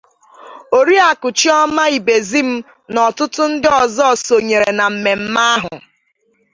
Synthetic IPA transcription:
o˨ɾi˦a˨kʊ˨t͡ʃi˦ɔ˦ma˦i˨be˨zi˦m̩˦ | nɔ˨tʊ˦tʊ˦n̩˦dɪ˦ɔ˨zɔ˦˨so˨ɲe˨ɾe˨na˨m̩˨me˨m̩˦ma˦a˦ɦʊ˨

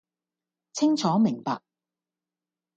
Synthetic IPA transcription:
t͡sʰɪ˥ŋt͡sʰɔː˨˥mɪ˨˩ŋpa̰ː˨k̚

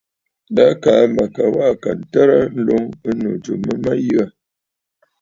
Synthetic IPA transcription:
da˦ka˨˦ma˨ka˨wa˦˨ka˨n̩˨tə˦ɾa˦n̩˦lo˦ŋə˦nu˨d͡ʒṵ˨mə˦ma˦jɨ˦a˨

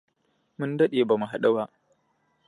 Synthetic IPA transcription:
mʊ˦ndɐ˦ɗeː˨ba˨mu˨ɦa˨ɗɐ˦waː˦

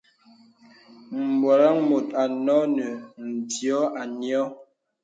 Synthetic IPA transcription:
m̩˨bɔ˨ɾa˦ŋmo˨t̚a˨nɔ˦nə˨n̩˨djɔ˦ʔa˨njɔ˦

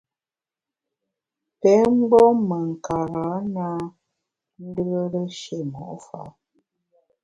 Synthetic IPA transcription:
pɛ˨˦ŋ͡m̩˦ɡ͡bɔ˦mə˨ŋ̩˨ka˨ɾa˨˦na˦ | n̩˦də˦ɣə˦ɾə˦ʃe˦˨mɔ˨ʔfa̰˨˦

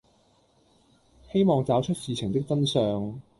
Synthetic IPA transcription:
he˥jmɔː˨˧ŋt͡saː˨˥wt͡ʃʰɵ˥t̚siː˨˧t͡sʰɪ˨˩ŋt̪ɪ˥k̚t͡sɐ˥nsœː˧ŋ

